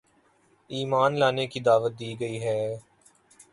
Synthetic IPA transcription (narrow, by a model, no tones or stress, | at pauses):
iːmaːnlaːnekid̪aːʋət̪̚d̪iːɡəiːɦɛː